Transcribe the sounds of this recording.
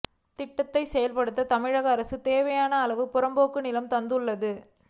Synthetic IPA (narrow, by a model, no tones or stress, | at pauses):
t̪ɪʈːɐt̪ːɐɪsɛjɐlpɐɽɯt̪ːɐt̪ɐmɪɻɐɣɐːɾɐsɯt̪eːʋɐjaːnɐːlɐʋɯpʊɾɐmboːkːɯnɪlɐmt̪ɐnd̪ɯɭːɐðɯ